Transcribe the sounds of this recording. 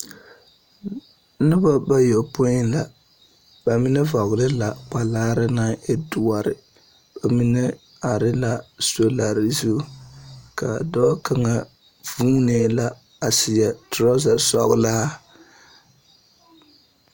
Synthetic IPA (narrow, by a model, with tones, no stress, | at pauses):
nɨ˦ba˦ba˦jo˨po˦ɪ˦la˨ | ba˨mi˦nɛ˦vɔ˨ɣlɪ˦la˨k͡pa˨laː˦ɾɪ˦na˦e˦du˨a˨ɾɪ˨ | ba˨mi˦nɛ˦ | a˨ɾɪ˦la˦so˦la˨ɾɪ˨zu˦ka˨dɔː˦ka˨ŋa˨ | vuː˦neː˨la˦ | a˨sɪ˨ja˨tʊ˨ɾɔ˦za˨sɔ˦ɣla˦